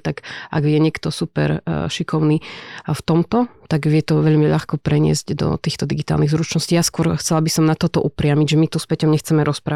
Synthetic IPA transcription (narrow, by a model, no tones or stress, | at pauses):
t̪aɡʔa̰ɡʋjɛɲɪɛkt̪ɔsupɛ̰ɾʃikɔʊniːft̪ɔmt̪ɔt̪aɡʋɪɛt̪ɔʋɛʎmiʎaxkɔpɾɛɲɪɛ̰zɟd̪ɔ̰t̪iːxt̪ɔd̪iɡit̪a̰lniɣzɾut͡ʃnɔsciːjaskʊɔɾxt͡sɛlabisɔmnat̪ɔt̪ɔʔupɾɪamiɟʒɛmit̪uspɛcɔmɲɛxt͡sɛmɛɾʔɔspɾaː